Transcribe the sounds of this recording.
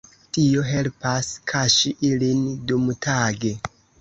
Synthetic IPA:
tio̞ɦe̞lpaskʰaʃiʔilindumtʰaːɡe̞

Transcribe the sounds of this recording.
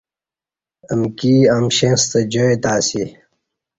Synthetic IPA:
əmkiːaːmɕẽnst̪ɐd͡ʑoet̪aːsi

